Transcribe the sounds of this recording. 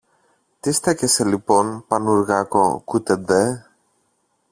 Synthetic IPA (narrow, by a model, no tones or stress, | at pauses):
t̪ist̪ɐceseliponpɐnuɾɣɐkokut̪ed̪e